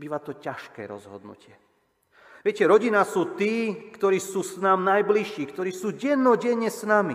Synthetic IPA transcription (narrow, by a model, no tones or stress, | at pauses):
biːʋat̪ɔcaʃkɛ̰ːɾɔ̰zɦɔ̰d̪nṵcɪɛ | ʋɪɛcɛɾɔɟinasuːt̪iːkt̪ɔɾiːsuːsnaːmnajbliʃiːkt̪ɔɾiːsuːɟɛnːɔɟɛɲːɛsnami